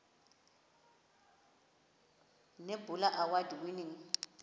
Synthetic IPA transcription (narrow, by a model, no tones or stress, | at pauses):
nebʊlaʔawadiwiniŋ̩